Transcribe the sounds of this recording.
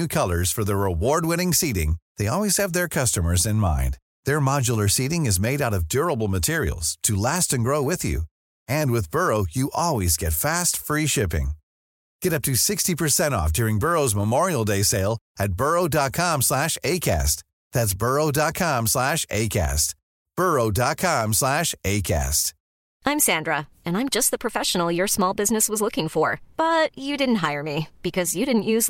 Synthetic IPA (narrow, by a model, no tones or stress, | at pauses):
ʉkʰʌlˠə˞z̥fə˞ðəɹɪwɔɹd̚wɛ̃ñɪ̃ŋsiɾɪ̰̃ŋðeɪɔlˠwiz̥ɨvðə˞kʰʌstəmə˞zɨ̃nmã̰ɪ̃n | ðə˞mɑd͡ʒl̩ˠə˞siɾɪ̃ŋɨzmeɪɾaʊɾʌvdʊɹəbl̩ˠmɨtʰɪɹḭl̩ˠz̥tʰɨlæstɨ̃nɡɹoʊwɪðjʉ̰ | ɨ̃nwɨðbɜ˞oʊjɨʔɔlˠwizɡɛtfæstfɹiʃɪpɪ̰̃ŋ | ɡ̥ɛɾʌp̚tʰɨsɪkstipʰə˞sɛ̃ɾ̃ɔ̰fd̥ʊɹɪ̃ŋbɜ˞oʊzməmɔɹil̩ˠdeɪseɪlˠɨt̚b̥ɜ˞oʊdɑt̚kʰɑ̃mslæʃeɪkʰæ̰st | ðæts̬b̥ɜ˞oʊdɑt̚kʰɑ̃mslæʃeɪkʰæ̰st̚ | b̥ɜ˞oʊdɑt̚kʰɑ̃mslæʃeɪkʰæ̰st | ʔãɪ̃msæ̃ndɹə | ɨ̃nãɪ̃md͡ʒʌst̪̚ðəpʰɹ̥ɨfɛʃnl̩ˠjə˞smɔlˠbɪznɨswʌzlʊkɪ̃ŋfə˞b̥ʌt͡ʃɨdɪdⁿn̩t̚ɦaɪə˞mib̥ɨkʰʌzjɨɾɪdⁿn̩ʔjʉz